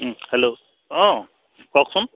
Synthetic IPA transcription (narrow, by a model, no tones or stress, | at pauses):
helo | ɔ̃ | kɔksun